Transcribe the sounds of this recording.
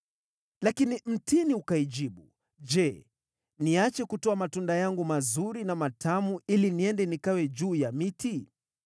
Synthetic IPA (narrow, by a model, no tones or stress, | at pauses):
lakinim̩tʰiniukaiʄiɓu | d͡ʒɛ | niat͡ʃɛkutɔamatundajaŋɡumazuɾinamatʰamuʔiliniɛndɛnikawɛd͡ʒuːjamiti